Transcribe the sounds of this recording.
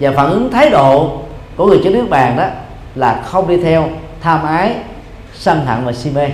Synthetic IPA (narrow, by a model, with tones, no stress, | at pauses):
vaː˨˩faː˧˩nʔɨ˨˦ŋt̪ʰaː˨˦jɗo̰˧˨kɔ˨˧˩ŋɨ˨˩əjt͡ɕɔ˧nɨ˦˥ək̚ɓaː˨˩nɗɔ˨˦ | laː˨˩xə˧wŋ͡mɗi˧t̪ʰɛ˧wt̪ʰaː˧mʔaː˨˦j | sə˧nɦa̰˧˨ŋvaː˨˩si˧me˧